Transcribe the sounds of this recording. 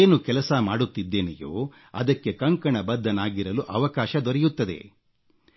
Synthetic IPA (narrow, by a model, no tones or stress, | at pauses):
eːnukɛlɐsɐmaːɽut̪ːid̪ːe̞ːnḛjo̰ː | ɐ̰d̪ɐkːe̞kɐŋkɐɳɐbɐd̪ːɐnaːɡiɾɐluʔɐʋɐkaːʃɐd̪ɔɾɛjut̪ːɐd̪e̞̰